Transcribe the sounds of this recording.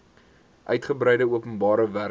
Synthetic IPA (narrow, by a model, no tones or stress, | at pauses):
ʔœɥtχəbɾɛjdəuəpənbɑːɾəvæ